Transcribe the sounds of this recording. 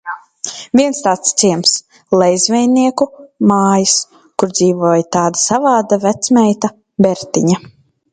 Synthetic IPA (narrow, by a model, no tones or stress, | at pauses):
viɛnst̪aːt̪st̪siɛms | lˠɛjzvɛjniɛkumaːjis | kuɾd̪ziːvuɔːjt̪aːd̪asavaːd̪avæt̪smʲɛjt̪a | bɛɾt̪iɲa